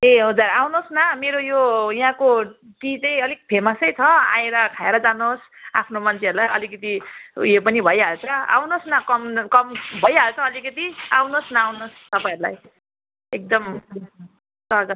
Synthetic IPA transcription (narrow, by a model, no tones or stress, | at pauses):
eɦod͡zaɾawnosnameɾojojɦãko | ʈit͡saj̃ʌlik̚pʰemʌsʌjt͡sʰʌã̰jeɾʌkʰaeɾʌd͡zanos | a̰pʰnomʌnt͡sʰeʌɾulajʌlikʌt̪ijepʌnibʱʌjɦalt͡sʰʌa̰wnosnʌkʌmkʌmbʱʌjɦalt͡sʰʌːlikʌt̪iawnosnaːwnost̪ʌpaĩʌɾula̰j | ek̚d̪ʌm | sʌɡʌ